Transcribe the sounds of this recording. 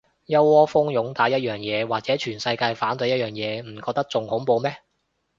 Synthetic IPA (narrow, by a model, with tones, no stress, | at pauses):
jɐ˥wɔː˥fʊ˥ŋjʊ˨˥ŋt̪aː˨˥jɐ˥t̚jœː˨˩ŋjɛː˨˧waː˨k̚t͡sɛː˨˥t͡ʃʰyː˨˩nsɐ˧jkaː˧jfaː˨˥nt̪ɵ˨˥jɐ˥t̚jœː˨˩ŋjɛː˨˧m̩˨˩kɔː˧k̚t̪ɐ˥k̚t͡sʊ˨ŋhʊ˨˥ŋpo˧wmɛː˥